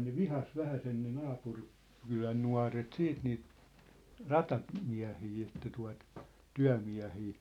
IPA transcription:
ne ʋihɑs ʋæhæsen ne nɑːpur kylæn nuɑ̝ret siːt niːt rɑtɑ miæ̝hiː etːæ tuɑ̝t tyæ̝miæ̝hiː

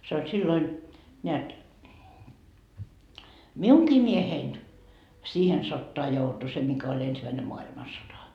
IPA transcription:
se olʲ silːoin neæt miuŋkiː miehein siːhen sotːoɑ joutu se mikæ olʲ ensimæine moɑilmɑsotɑ

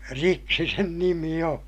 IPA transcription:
riksi sen nimi õː

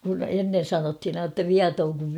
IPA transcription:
kun enːen̞ sɑnothin ɑin tːɑ ʋiɑtoːŋ kuʋ

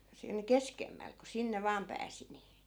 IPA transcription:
siːn keskemːæl ku sinːe ʋɑːm pæːsi ni

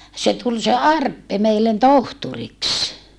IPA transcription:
se tul se ɑrpːe meilːen tohturiks

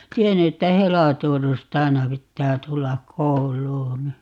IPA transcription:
tienːy etːæ helɑtorstɑinɑ pitːæː tulːɑk̆ koulˑuːn̞

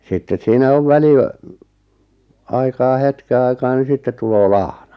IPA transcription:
sitːes siːnæ oʋ ʋæli ɑikɑː hetke ɑikɑː ni sitːet tuloː lɑhnɑ

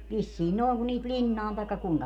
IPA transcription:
ʋisːiːn noˑi̯ŋ kun niːt lʲinːɑːn tɑi̯kːɑ kuiŋkɑ

